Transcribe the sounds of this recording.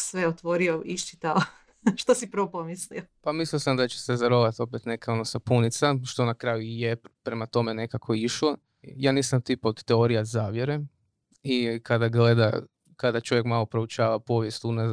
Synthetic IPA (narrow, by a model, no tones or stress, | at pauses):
sʋeot̪ʋoɾioʔiʃt͡ʃit̪a | ʃt̪osipɾʋopomisliopamisliosamd̪at͡ɕe̥sezaɾo̞ʋat̪o̞pet̪ne̞keo̞nosapunit̪saʃt̪o̞nakɾaːjujepɾe̞mat̪o̞me̞ne̞kakʰo̞iʃlˠo̞ | jaːniːsamt̪ipot̪ːeoɾijazaːʋjeɾe | ikʰad̪aɡle̞d̪a̰ | kad̪at͡ʃo̞ʋjekmalˠo̞pɾout͡ʃaːʋapo̞ʋjest̪una